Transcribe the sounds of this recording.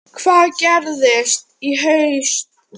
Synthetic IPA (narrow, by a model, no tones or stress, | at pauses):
kʰv̥aːðcɛɾðɪst̪iɦœɥst̪